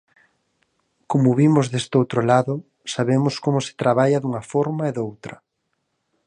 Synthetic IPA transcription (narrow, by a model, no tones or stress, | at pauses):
komʊβimʊzðest̪owt̪ɾolaðʊ | saβemʊskomʊsɪ̥t̪ɾaβaʎɐðuŋɐfɔɾmaeðowt̪ɾɐ